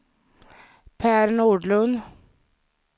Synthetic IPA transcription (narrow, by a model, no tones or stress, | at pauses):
pʰæːɾɳuːɖɭɵn